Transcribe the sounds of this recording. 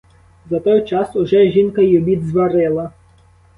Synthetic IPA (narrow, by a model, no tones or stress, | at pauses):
zɐt̪ɔjt͡ʃɑsʊʒɛʒʲinkɐjɔbʲid̪zʋɐɾɪlˠɐ